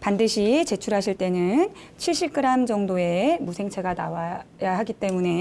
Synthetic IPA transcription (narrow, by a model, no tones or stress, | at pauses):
pandɯɕʰit͡ɕe̞t͡ɕʰuɾɦaɕʰiɭt͈e̞nɯn | t͡ɕʰiɭɕ͈ip̚k͈ɯɾamd͡ʑʌŋdoe̞musʰe̞ŋt͡ɕʰe̞ɡanawajaɦaɡit͈e̞mune̞